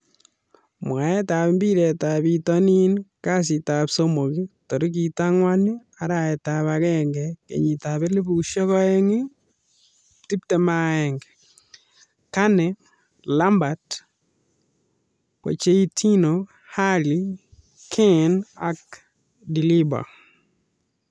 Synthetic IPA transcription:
mwa˨ɛ˦ta˨βmbi˦ɾe˨ta˨βitɔ˦ni˦nka˦s̬i˨ta˨pso˦mo˨kito˨ɾi˦k̬i˨ta˦ŋwa˦ni˦ | a˨ɾa˨ɛ˨ta˨βakɛ˦ŋɡɛkḛ˨ɲi˨ta˨βe˦le˦bu˨ʃɔ˦kɔ˦e˦ŋi˦ | ti˦p̚tɛ˨ma˦ɛŋɡɛ | ka˦nɛ | la˦mba˨t | po̰˨t͡ʃe˦i˦tʰi˦no | ha˦li | kʰɛ˦na̰k̚ | di˨li˦ba̰˨

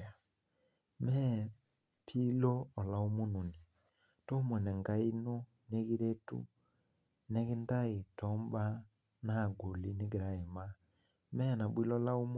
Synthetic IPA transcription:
a˨ | mɛ˦ | pʰi˦lɔ˦ɔ˨la˨o˦mo˦no˨ni˨ | to˦mwɛ˨nɛ˨ŋɡa˦i˦no˦ | ne˦ɣi˦ɾe˦tṵ˦ | nɛ˦ɣe˦nda˦e˨tɔ˦mba˦ | na˦˨ɡo˨li˦ne˦ɡe˨ɾa˨e˨ma˦ | mɛ˦na˨bwi˦lɔ˦la˦o˦m

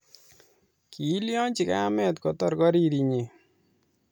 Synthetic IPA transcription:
ki˨˦ljɔ˦ɲt͡ʃi˨ka̰ː˦mɛ˦tkɔ˨tɔɾkɔ˦ɾiɾi˨ɲi˨

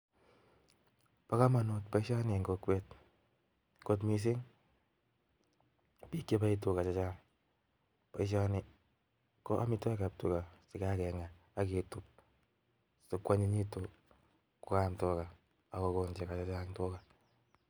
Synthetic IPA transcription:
pa˦ka˦ma˨no˨t̚pa˨i˦ʃa˦nɪ˨ŋɡo˧kwɛ˦t̚ | ko˦t̬mi˨s̬i˦ŋ | pi˦ke˦pa˦i˦t̬u˨ka˨t͡ʃa˦t͡ʃaː˦ŋ | pa˨i˦ʃ̬a˦nɪ˨ | kɔ˦ʔa̰˦mi˧tɔ˦kap̚tṵ˨ka˨sɪ˨ka˦kɛ˨ŋa˨ | a˦k̬e˨tu˦p̚ | su˨kwa˦ɲi˦ɲi˦to˨ | ku˦kamtɔ˦ka˨ | a˨ko˨koɲd͡ʒe˨ka˨t͡ʃa˦t͡ʃa˦ŋto˦ka˨

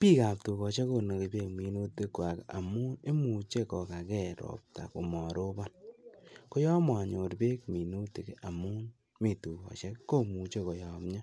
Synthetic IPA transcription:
piː˦ka˨p̚tu˨kɔ˨t͡ʃe˦ko˧no˨ke˨pe˦kmi˨nu˦te˦kwa˨ka̰˨mu˦e˦mu˨t͡ʃe˦kɔ˨ka˨kɛ˦ɾɔ̰˨p̚ta̰˨ku˨mɔ˨ɾo˦ba˦n | ko˦jɔ˦ma˨ɲo˨ɾpe˦kmi˨nu˦te˨ka˨mu˦n | mi˨tu˨kɔ̰˨t͡ʃe˦ko˦mu˨t͡ʃe˦ko˨jɔ˨mɲa˦

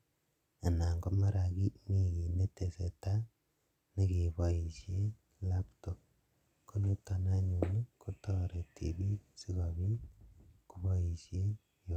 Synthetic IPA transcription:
a˨na˨ŋɡo˦ma˦ɾaɣi˦mi˦ɣi˨ne˦tese˨ta˦ | ne˦ɣiβoiʃje˦ | lapto˨ | ko˦nu˦ta˨na˦ɲu˨ni˦kutoɾe˨tʰḭβi˦si˦ɣoβi˦kuβoi˨ʃje˦ | j

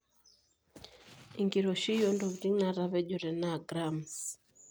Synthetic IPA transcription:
i˨ŋɡi˨ɾɔ˨ʃi˦jɔ˦ndɔ˨βɾi˦ŋna˨ɾa˨βɛ˦d͡ʒɔ˨ɾɛ˨na˦˨ɡɾa˨ms

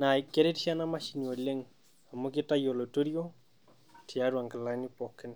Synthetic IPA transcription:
na˨i˨kːe˦ɾe˦tiʃa˦na˦ma˦ʃi˦ni˨wɔ˨le˦ŋ | a˨mo˦kɪ˦ta˦jo˨lo˨to˦ɾjo˦ | ti˨a˦ɾwa˨ŋɡa˨la˦ni˦pɔ˨kɪ˦n

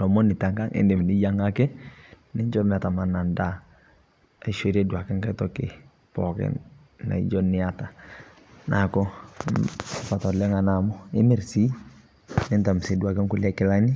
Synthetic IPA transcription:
lɔ˨mɔ˦nɪ˨ta˨ŋka˦ŋʔḛ˨nde˨m˨ni˦ja˦ŋa˦kɛ˦nɪ˦ɲd͡ʒɔ˦ɾnɪ˨a˨ta˨ma˨na˨nda˦ | a˨i˦ʃe˦ɾe˦dwa˨kɛ˦ŋka˦tɔ˦kḛ˨ | pɔ˨kɛ̰ | na̰˨ḭ˨ɟɔ˦nɪ˦a˦ta˨ | nʔa̰˨kɔ˦˨ | pa˨tɔ˨lɛ˦ŋa˨na˨mɔ˦ɪ˦mɛ˦˨ɾsi˦ | nɪ˦nta˨m˨se˨˦du˨a˨kɪ˦ŋku˦lɛ˦kɪ˦la˦ni˦

